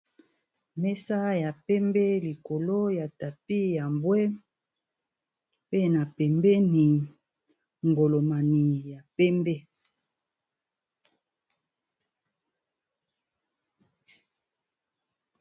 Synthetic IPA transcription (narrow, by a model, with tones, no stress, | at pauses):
mɛ˦sa˦ja˨pɛ˦mbɛ˦li˨ko˨lo˦ja˨ta˨pi˦ja˨mbwɛ˦ | pe˦na˨pɛ˨mbɛ˦ni˨ | ŋɡo˨lo˨ma˨ni˨ja˨pɛ˦mbɛ˦